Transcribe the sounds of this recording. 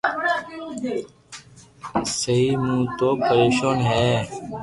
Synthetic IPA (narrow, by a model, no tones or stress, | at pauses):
səɦiːmũːt̪oːpəɾeːʃaːnɦɛː